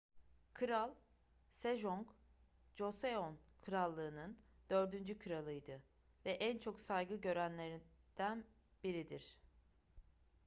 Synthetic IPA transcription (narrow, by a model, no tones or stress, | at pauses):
kʰɯɾalˠ | seʒoŋk | d͡ʒo̞seonkʰɯɾalˠːɯːnɯnd̪̥ø̞ɾd̪ynd͡ʒykʰɯɾalˠɯjd̪ɯ | vɛʔænt͡ʃʰo̞ksajɡɯɟø̞ɾænlʲe̞ɾid̪̥æn | b̥iɾid̪iɾ̥